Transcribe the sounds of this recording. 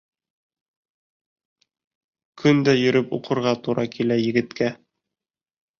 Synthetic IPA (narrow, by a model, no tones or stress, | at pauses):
kʰɵnd̪æjɵ̆ɾɵpṵqʰɤ̆ɾʁɑt̪uɾɑkʰilæjɘ̆ɡɘ̆t̪kæ